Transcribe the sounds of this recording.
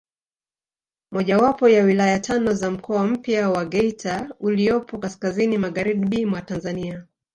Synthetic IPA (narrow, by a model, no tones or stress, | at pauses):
mɔʄawapɔjawilajatʰanɔzam̩kʰɔam̩pjawaɡɛitʰauliɔpɔkaskazinimaɡaɾiɗɓiːmwatanzania